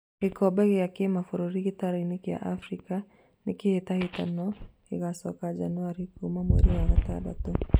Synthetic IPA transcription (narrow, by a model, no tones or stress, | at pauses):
ekɔbɛɣeakemafoɾoɾikitaɾainekia̰ʔafɾika | nekehetahetanɔ | ḛɣasɔ̰kad͡ʒa̰nuaɾikumamwḛɾiwaɣata̰da̰to